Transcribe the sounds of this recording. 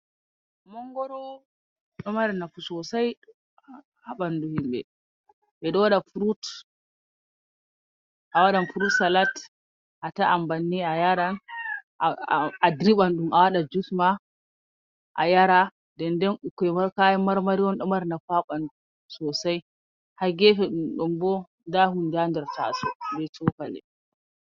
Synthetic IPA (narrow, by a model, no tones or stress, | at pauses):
mɔŋɡɔɾɔ | ɗɔmaɾnafusɔsaj | haɓanduhimbɛ̰ | ʔɛɗɔwaɗafuɾut | ʔawaɗanfuɾutsalat | ʔataʔambanːiajaɾan | adɾiɓanɗumʔawaɗad͡ʒusma | ʔa̰jaɾa | dɛndɛnukːɛmaɾkajɛmaɾmaɾiwɔnɗɔmaɾnafaɓan | sɔsaj | haɡɛfɛɗumɗɔmbɔ | ndahundandɛɾta̰sɔbɛt͡ʃɔkalɛ̰